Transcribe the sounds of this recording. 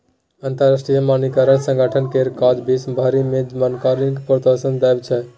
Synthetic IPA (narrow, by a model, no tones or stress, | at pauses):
ənt̪əɾasʈɾijəmanikəɾənsə̃ŋɡʱəʈʰənkeɾkad͡ʒbʱisbʱaɾimed͡ʒmənkaɾinkpɾət̪əsənd̪ajbt͡ʃʰɛ